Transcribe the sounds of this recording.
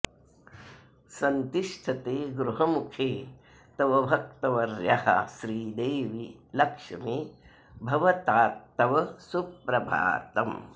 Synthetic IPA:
sɐnt̪iʃʈʰɐt̪eːɡɾuɦɐmukʰeː | t̪ɐʋɐbʱɐk̚t̪ɐʋɐɾja̰hɐ̰ʃɾiːd̪eːʋilɐkʂɐmi | bʱɐʋɐt̪aːt̪ːɐʋɐsupɾɐbʱa̰ːt̪ɐm

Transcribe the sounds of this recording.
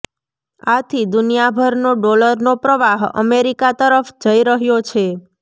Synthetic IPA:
at̪ʰid̪unijabʱəɾnoɖoləɾnopɾəʋaɦə̰meɾikat̪əɾəfd͡ʒəiɾəɦjot͡ʃʰe

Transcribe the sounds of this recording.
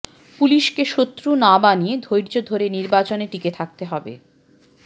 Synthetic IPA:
puliʃkeʃot̪ːɾunabanied̪ʱojɾd͡ʑod̪ʱoɾeniɾbat͡ɕoneʈiket̪ʰak̚t̪eɦɔbḛ

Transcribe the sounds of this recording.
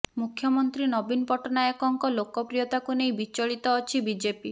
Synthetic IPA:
mukʰːjɔmɔnt̪ɾinɔbinpɔʈɔnajɔkɔŋkɔlokɔpɾijɔt̪akunejbit͡ʃɔɭit̪ɔːt͡ʃʰibid͡ʒepi

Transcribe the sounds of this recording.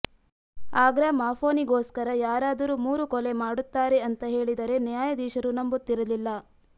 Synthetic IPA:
aːɡɾamaːfo̞ːniɡoːskɐɾɐjaːɾaːd̪ɐɾuːmuːɾukɔle̞maːɽut̪ːaːɾe̞ɐnt̪ɐɦe̞ːɭid̪ɐɾe̞njaːjɐd̪iːʃɐɾunɐmbut̪ːiɾɐlilːɐ

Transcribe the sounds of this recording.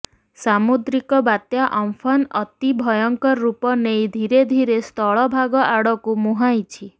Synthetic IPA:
samud̪ɾikɔbat̪jaʔɔmpʰɔnɔt̪ibʱɔjɔŋkɔɾːupɔnejd̪ʱiɾed̪ʱiɾest̪ɔɭɔbʱaɡɔʔaɽɔkumuɦajt͡ʃʰi

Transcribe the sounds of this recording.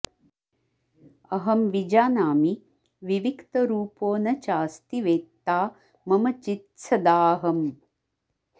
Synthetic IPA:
ɐɦɐmʋid͡ʒaːnaːmi | ʋiʋikt̪ɐɾuːpoːnɐt͡ʃaːst̪iʋeːt̪ːaː | mɐmɐt͡ʃit̪sʰɐd̪aːɦɐm

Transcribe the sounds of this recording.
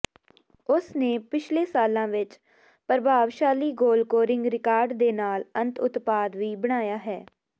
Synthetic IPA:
ʊsneːpɪt͡ʃʰleːsaːlãːʋɪt͡ʃ | pəɾbaːʋʃaːliːɡoːlkoːɾɪ̃ŋɡɾɪkaːɾɖd̪eːnaːlə̃nt̪ʊt̪paːd̪ʋiːbəɽ̃aːjaːɦɛː

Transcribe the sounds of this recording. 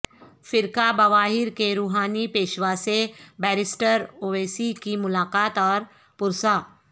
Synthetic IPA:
fɪɾkabɐʋaːɦɪɾkeɾuːɦaːnipeːʃʋasebɛːɾɪsʈəɾoːʋeːsikimʊlaːqaːt̪ɔːɾ | pʊɾsaː

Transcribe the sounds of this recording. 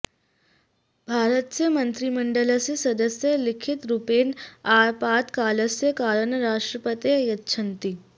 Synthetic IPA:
bʱaːɾət̪̚t͡semənt̪ɾiməɳɖələsesəd̪əsjəlikʰit̪ɾupeːnaɾpaːt̪kaːləsjəkaːɾənɾaʂʈɾəpət̪ejətːɕʰənt̪i

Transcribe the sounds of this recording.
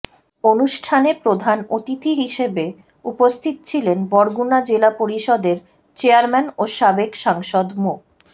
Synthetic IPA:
onuʃʈʰanepɾod̪ʱanot̪it̪ʰiɦiʃebe | upost̪ʰit̪̚t͡ɕʰilenbɔɾɡunad͡ʑelapoɾiʃɔd̪eɾ | t͡ɕeaɾmɛnoʃabekʃaŋʃod̪mok

